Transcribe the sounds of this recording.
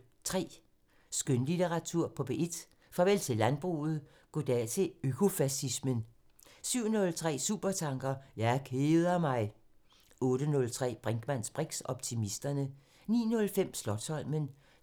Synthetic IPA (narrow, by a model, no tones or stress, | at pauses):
t͡sʰʁɛ̰ː | sɡ̥ønlit͡seʁɑ̈t͡sʰuɐ̰pʰɒ̽b̥e̝ʔed̥ | fʁɑ̈ʋel̰t͡sʰe̝lːænb̥ʁṵːð̞̩ˠ | ɡ̥od̥ɛt͡sʰe̝økʰo̝fæsismən | syʊ̰nɔ̽lt͡sʰʁɛ̰ːsṵːb̥ɐt͡sʰɑ̈ŋɡ̥ɐjɑ̈ɪkʰeːðˠɐmɑ̈ɪ | ɔ̽ːɾ̥ənɔ̽lt͡sʰʁɛ̰ːb̥ʁɛŋɡ̥mæn̰sb̥ʁeɡ̥sɒ̽b̥t͡sʰimisd̥ɐnə | nḭːnɔ̽lfem̰slɒ̽d̥sɒ̽l̰mən